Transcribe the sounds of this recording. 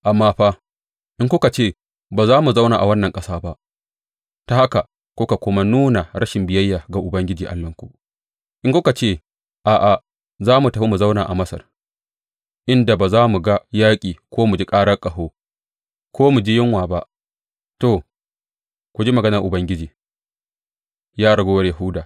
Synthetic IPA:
ʔa˨mːaː˦ɸaː˦ | ʔɪ˦ŋkʷʊ˦ka˨t͡ʃeː˦˨ | baː˨zaː˦mu˨za˦wnaː˨ʔa˨wɐ˦nːɐ˨ŋkʼɐ˦saː˦ba˦ʔ | ta˨ha˦ka˨ | kʷʊ˦ka˨kʷʊ˦ma˦nuː˦na˨ɾɐ˦ʃɪ˨mbɪ˨jɐ˦jːaː˨ɡa˨ʔʊ˨bɐ˦ŋɡʲɪ˦d͡ʒiː˨ʔa̰˨lːɐ˦ŋkʷu˨ʔ | ʔɪ˦ŋkʷʊ˦ka˨t͡ʃeː˦˨ | ʔaː˨ʔa˨ | zaː˦mu˨tɐ˨ɸi˦mu˨za˦wnaː˨ʔa˨mɐ˦sɐ̰˨r | ʔɪ˦nda˨baː˨zaː˦mu˨ɡa˦jaː˦kʲʼiː˨kʷoː˦mu˨d͡ʒi˦kʼaː˦ɽɐ˦rkʼɐ˨ɦoː˦ | kʷoː˦mu˨d͡ʒi˦jɪ˦ŋwaː˨ba˦ʔ | to˨ | kʷu˨d͡ʒi˦mɐ˨ɡɐ˦nɐ˨ʔʊ˨bɐ˦ŋɡʲɪ˦d͡ʒiː˨ | jaː˦ɽɐ˨ɡoː˦wɐ˦rjɐ˨ɦu˦daː˨

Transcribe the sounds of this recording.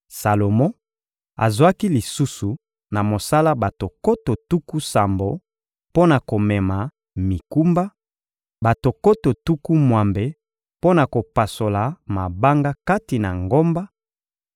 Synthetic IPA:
sa˨lo˨mɔ̃˦ | a̰˨zwa˦ki˦li˨su˦su˨ | na˨mo˨sa˦la˦ba˨to˨ko˦to˨tu˦ku˦sa˨mbo˨ | po˦na˨ko˨mɛ˨ma˨ | mi˨ku˦mba˦ | ba˨to˨ko˦to˨tu˦ku˦mwa˨mbe˨ | po˦na˨ko˨pa˨so˨la˨ma˨ba˦ŋɡa˦ka˦ti˨na̰˨ŋɡo˦mba˦

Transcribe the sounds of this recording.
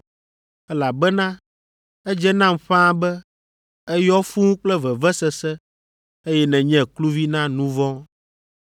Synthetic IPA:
ɛ˦la˨bɛ˦nã˦ | ɛ˦d͡ʒɛ˦nã˦mɸã˦bɛ˦ | ɛ˦jɔ˦fũ˦k͡plɛ˦vɛ˨vɛ˦sɛ˨sɛ˦ | e˦jɛ˦nɛ̃˨ɲɛ̃˨klu˦vi˦nã˦nũ˦vɔ̃˦

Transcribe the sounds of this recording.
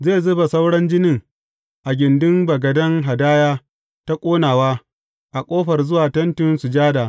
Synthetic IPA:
zeː˦˨zʊ˦ba˨sa˦wɽɐ˦nd͡ʒɪ˦nɪ˨ŋ | ʔa˨ɡʲɪ˨ndʊ˦mbɐ˨ɡɐ˨dɐ˦ŋɦa˨daː˦jaː˦ | ta˦kʷʼoː˦naː˨waː˦ | ʔa˨kʷʼoː˦ɸɐ˨rzʊ˦waː˨tɐ˦ntɪ˦nsu˨d͡ʒaː˦daː˨

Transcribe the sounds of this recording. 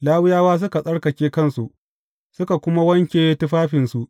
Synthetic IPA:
laː˦wɪ˦jaː˦waː˦s̬ʊ˦ka˨sʼɐ˦ɽkɐ˨kʲeː˦kɐ˦˨nsu˨ʔ | sʊ˦ka˨kʷʊ˦ma˦wɐ˦ŋkʲeː˨je˦tʊ˦ɸaː˦ɸɪ˨nsu˨ʔ

